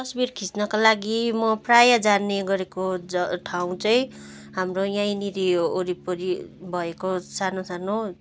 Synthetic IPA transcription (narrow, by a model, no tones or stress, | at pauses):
t̪ʌsbirkʰisnʌkalaɡimʌprajad͡zaneɡʌɾekod͡zʌʈʰaw̃t͡sʌj̃ | ɦamrojãj̃niɾioɾipʌɾibʱʌekosanosano